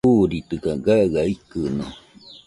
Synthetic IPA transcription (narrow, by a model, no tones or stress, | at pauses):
uɾit̪ɨkaɡaɡaikɨnõ